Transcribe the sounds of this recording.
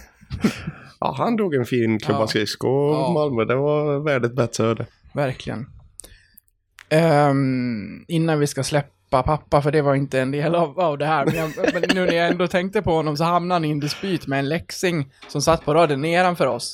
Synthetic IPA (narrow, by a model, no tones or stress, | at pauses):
ʔɑ̰ːhand̪uːɡɛnfiːnkʰlɵbːaskɪskɔmalmœd̪ɛvavɛɖɪt̪̚bɛt̪ɾəœɖɛ | væɾklɪ̰ɡə̰n | ɪnːanvɪskaslɛpːapʰapːafœɖɛvaɾɪnt̪əɛnd̪eːlavavd̪ɛhæːɾmɛnjamɛnːʉːnæjaɛnd̪oːt̪ʰɛŋkt̪əpʰɔhɔnːɔms̬ɔhamnaanɪɪnd̪ɛspyːt̪mɛːnlɛksɪŋ | sɔmsat̪ːpʰɔɾɑːd̪jʊnːeːɾanfœːɾɔs